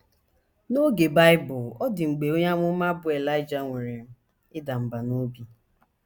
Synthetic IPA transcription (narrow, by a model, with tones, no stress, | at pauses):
no˦ɡe˨ba˦ɪ˦bʊ˨ɔ˦dɪ˨ŋ͡m̩˨ɡ͡be˨o˦ɲa˦ŋʷʊ˦ma˦bʊ˦e˨la˦ɪ˦d͡ʒa˨ŋʷe˨ɾe˨m̩˦ | ɪ˦da˨m̩˨ba˨no˦bi˦